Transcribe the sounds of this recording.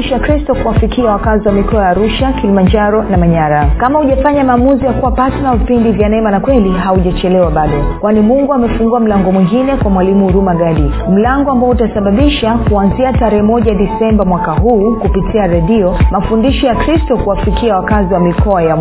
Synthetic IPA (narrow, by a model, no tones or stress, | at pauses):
ʃakɾistɔkuwafikiawakaziwamikɔajaːɾuʃakilimand͡ʒaɾɔnamaɲaɾakamauʄafaɲamaːmuzijakuwapatɛnavipindivjanɛmanakwɛliɦauʄat͡ʃɛlɛwaɓaɗɔkwanimuŋɡuamɛfuŋɡuam̩laŋɡɔmwiŋɡinɛkwamwalimuːɾumaɡaɗim̩laŋɡɔambaɔutasaɓaɓiʃakuanziataɾɛhɛmɔʄaɗisɛmbamwakaɦuːkupitiaɾɛɗiɔmafundiʃɔjakɾistɔkuwafikiawakaziwamikʰɔaja